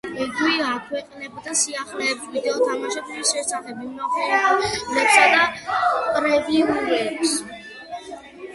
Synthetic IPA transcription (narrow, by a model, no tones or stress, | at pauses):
ɛɡwiakʰwɛqʼnɛbd̪asiaχlɛːpsvid̪ɛɔt̪ʰamaʃɛbuliʃɛsaχɛbimɔχɛnanɛpsad̪apʼɾɛviuɾɛps